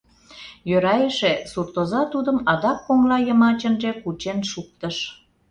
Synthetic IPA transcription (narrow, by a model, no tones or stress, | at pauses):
jøɾɑjeʃesurt̪ozɑt̪ud̪əmɑd̪ɑkːoŋlɑjəmɑt͡ɕə̆nʒekut͡ɕenʃuk̚t̪əʃ